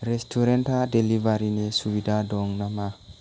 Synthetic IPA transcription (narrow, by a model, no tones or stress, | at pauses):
ɾestʰuɾentadelivaɾinesuwidadɔŋnama